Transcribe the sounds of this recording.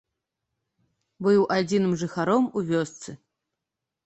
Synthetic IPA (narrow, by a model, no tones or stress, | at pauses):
bɨwʔad͡zʲinɨmʐɨxaɾɔmuvʲɔst̪sɨ